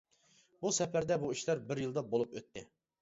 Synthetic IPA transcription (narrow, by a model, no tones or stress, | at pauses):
busɛpæɾd̪ɛbuiʃlæɾbɪɾjɨlˠd̪ɑbolˠupøt̪ʰːɪ